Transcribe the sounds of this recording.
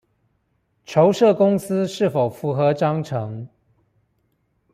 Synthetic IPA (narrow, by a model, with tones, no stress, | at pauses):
ʈ͡ʂʰo˧˦ʊʂɤ˥˨kʊ˥ŋs̩˦ʂɻ̩˥˩fo˨˩ʊfu˧˥xɤ˨˦ʈ͡ʂɑ˥ŋʈ͡ʂʰɤ˧˦ŋ